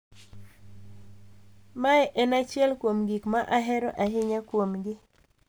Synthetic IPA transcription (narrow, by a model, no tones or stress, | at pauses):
maɛʔɛnat͡ʃjɛlkwomɡikmaʔaɦɛɾɔʔaɦɪɲakwomɡɪ